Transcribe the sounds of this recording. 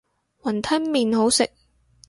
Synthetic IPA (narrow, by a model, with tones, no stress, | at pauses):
wɐ˨˩nt̪ʰɐ˥nmiː˨nho˨˥wsɪ˨k̚